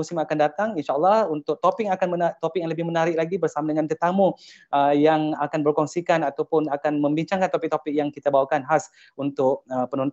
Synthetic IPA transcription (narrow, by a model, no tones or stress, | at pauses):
usɪmakandat̪aŋinʃaəlːɑhunt̪ʊk̚t̪opɪk̚akanmənat̪opɪk̚jaŋləbɪhmənaɾɪk̚laɡibərsamadəŋãnt̪ət̪amu | əjaŋakanbərkɔŋsikanat̪awpʊnakanmə̃mbiɲt͡ʃaŋkant̪opɪik̚t̪opɪk̚jaŋkit̪abawakanɦas | unt̪ʊk̚əpənɔ̃n